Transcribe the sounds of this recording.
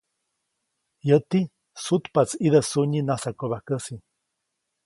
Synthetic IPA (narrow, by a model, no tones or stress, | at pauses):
jət̪i | sut̪pat͡siðəsuɲinasakoβakəsi